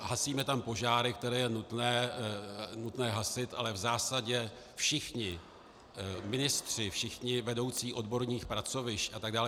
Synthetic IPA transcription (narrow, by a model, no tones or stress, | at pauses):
ɦasiːmɛt̪ampo̞ʒaːɾɪkt̪ɛɾɛːjɛnut̪nɛː | nut̪nɛːɦasɪt̪ʔa̰lɛvzaːsaɟɛ | fʃɪxɲɪ | mɪnɪst̪r̝̥ɪfʃɪxɲɪvɛdo̞wt͡siːʔo̞dbo̞ɾɲiːxpɾat͡so̞vɪʃcʔat̪aɡ̚daːl